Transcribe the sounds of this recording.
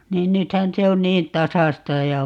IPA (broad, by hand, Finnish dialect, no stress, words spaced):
niːn nythæn se on niːn tɑsɑstɑ jɑ